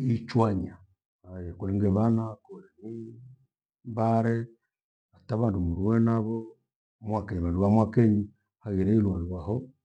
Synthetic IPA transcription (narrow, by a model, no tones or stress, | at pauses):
it͡ʃwaɲa | ajɛkulɛŋɡɛβanakulɛni | baɾɛ | ataβandumuɾwɛnaβɔ | mwakɛɲiβanduβamwakɛɲi | haɣɛɾɛilwaɣiwahɔ